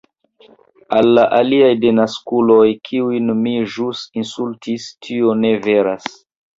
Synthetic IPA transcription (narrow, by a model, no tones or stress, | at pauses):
alːaʔaliajde̞naskulo̞jkʰiujnmiʒusinsultʰistʰio̞ne̞ve̞ɾas